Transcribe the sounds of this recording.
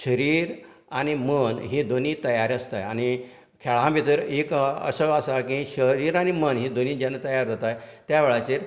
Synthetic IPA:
ɕəɾiːɾ | añimənɦiːd̪oniːt̪əjaɾəst̪a̰jañi | kʰɛɭãbʱit̪əɾekə̰səəsakĩɕəɾiːɾañimənɦiːd̪oniːd͡ʑanːat̪əjaɾd͡zʱat̪ajt̪jaʋeɭat͡ɕeɾ

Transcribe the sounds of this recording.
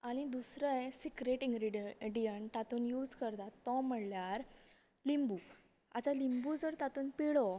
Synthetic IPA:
añid̪usɾəjsikɾeʈĩŋɡɾiɖijəɳt̪at̪uːnjuːd͡zkəɾt̪at̪ːɔm̤əɽljaɾ | limbu | a̰t͡salimbud͡zəɾt̪at̪uːnpiɭɔ

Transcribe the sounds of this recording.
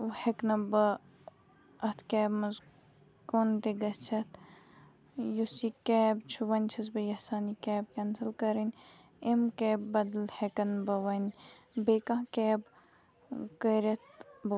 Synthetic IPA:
heknɐbɐ | ɐt̪ʰkɛːbmɐz | kont̪eɡɐst͡ʃʰɐt̪ʰ | jusikɛːbt͡ʃʰuʋɐnʲt͡ʃʰɐs̬bɐjɐhsaːnikɛːb̚kɐnsɐlkɐɾinʲ | emkɛːbːɐd̪lhekɐnbɐʋɐnʲ | beːkãːkɛːb | kəɾʲɐt̪̚b

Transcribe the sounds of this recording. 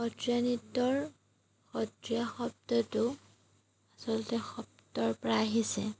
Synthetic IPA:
xɔtɹjanitːɔɹ | xɔtɹijaxɔp̚tɔtʊ | asɔlɔtɛxɔp̚tɔɹpɔɹaːɦisɛ̰

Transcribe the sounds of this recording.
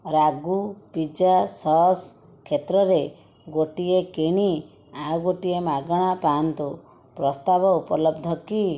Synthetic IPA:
ɾaɡupid͡ʒasɔɦs | kʰːet̪ɾɔɾe | ɡoʈiekiɽ̃i | ajuɡoʈiemaɡɔɽ̃apant̪u | pɾɔst̪abɔupɔlɔbd̪ʱɔki

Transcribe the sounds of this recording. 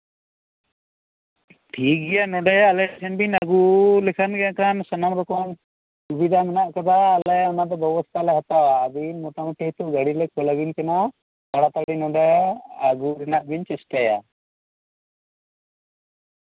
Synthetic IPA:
ʈʰiːk̚ɡɛjanɔɖajːlɛsʰənbinaɡulɛkʰanɡɛãkansənamb̪ɔkɔan | subid̪ʱamɛnaʔkad̪aːlɛɔnad̪ɔbɔbɔst̪ʰalɛɦat̪aaːd̪inmɔt̪amuʈʰːiɦt̪uɡaɽilɛkɔlabinkana | kaɽat̪aɡɽinɔɖaaɡuɾɛnaʔbiɲt͡ʃɛsʈaja̰

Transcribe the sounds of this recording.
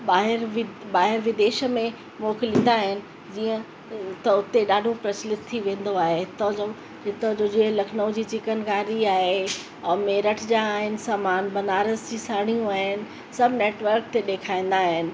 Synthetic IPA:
ɓaːɦɪɾʋbaːɦɪɾʋɪd̪eːʃə̆mẽ | moːkɪlĩːn̆d̪aːɦɪnɪ̆ | d͡ʑiːə̃ | t̪ɐʊt̪eɗaːɖʱopɾɐt͡ɕlɪt̪ʰːiʋẽːn̆d̪oaːɦeɦɪt̪od͡ʑo | ɦɪt̪od͡ʑoːd͡ʑeɦlɐkʰnəʊ̃d͡ʑiːt͡ɕɪkənɡaːɾiaːɦe | ɛ̃ːmeːɾəʈʰd͡ʑaːɦɪnɪ̆saːmaːnbɐnaːɾəzd͡ʑiːsaːɽ̃ijũaːɦɪnɪ̆ | sɐbʱneːʈʋəɾk̚t̪eɗeːkʰaːĩːn̆d̪aːɦɪnɪ̆

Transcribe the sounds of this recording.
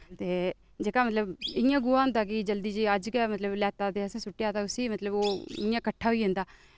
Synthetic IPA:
t̪eː | d͡ʒeːkaːmət̪ləbɪjãːɡʊãːnd̪aːk̬ɪd͡ʒəld̪iːd͡ʒiːəd͡ʒkɛːmət̪ləblɛːt̪aːt̪eːəsãːsʊʈːjaːt̪aːʊsiːmət̪ləboːɪ̰jãːkəʈʰːaːɦoiːɦɪ̃nd̪aː

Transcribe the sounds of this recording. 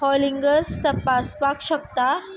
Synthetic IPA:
hɔliŋɡəst̪əpaspakɕəkt̪a

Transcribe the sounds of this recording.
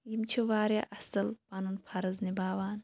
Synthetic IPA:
jimt͡ʃʰiʋaːɾɐ̰ʔɐsɐlpɐnunpʰɐɾɐznibaːwaːn

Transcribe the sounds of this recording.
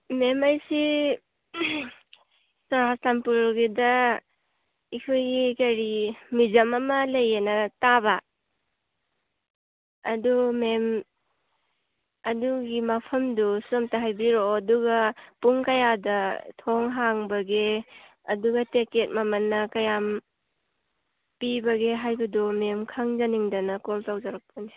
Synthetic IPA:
memajsi | sɔɾasampuɾɡedɐ | ikʰojɡikɐɾimizɐmɐmɐlɐjenataba | dumem | ɐduɡimapʰɐmdusomtaɦajbiɾoːduɡɐpuŋkɐjadɐtʰoŋɦaŋbɐɡe | ɐduɡɐteket̚mamɐnːɐkɐjam | pibɐɡeɦajbɐdɔmemkʰaŋzaniŋdɐnɐkoltawzaɾak̚pʰani

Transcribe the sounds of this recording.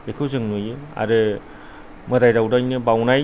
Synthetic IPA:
ekʰɯzɯŋnojɯa̰ɾɯ | mɯdajɾawdajnɯbawnaj

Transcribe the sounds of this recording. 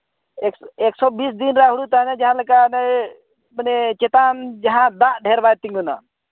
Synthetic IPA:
ekeksɔːbis̬d̪inɾaɦuɽut̪anɛd͡ʒaɦãləkanɛ | mənɛt͡ʃɛt̪and͡ʒɐɦãd̪aʔɖʱɛɾbajt̪iŋɡuna̰

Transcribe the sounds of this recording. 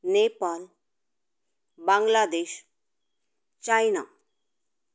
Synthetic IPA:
nepal | bãŋɡlad̪eːɕ | t͡ʃajna̰

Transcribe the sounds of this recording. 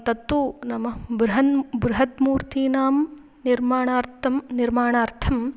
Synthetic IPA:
t̪ɐt̪ːʋunɐmɐbɾuɦɐnbɾuɦɐt̪muːɾt̪iːnaːm | niɾmaːɳaːɾt̪ʰɐmniɾmaːɳaːɾt̪ʰɐm

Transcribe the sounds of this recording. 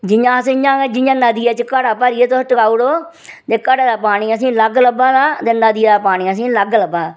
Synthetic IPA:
d͡ʒɪjãːəsejãːeːd͡ʒɪjãːnəd̪ɪjaːt͡ʃkəɽaːpəɾiɛːt̪osʈəkaːuɽoː | t̪eːkəɽaːd̪aːpaːɽ̃iːəsĩːləɡləbãːd̪aːt̪eːnəd̪ɪjaːd̪aːpaːɽ̃iːəs̬ĩːləɡləbãːaː

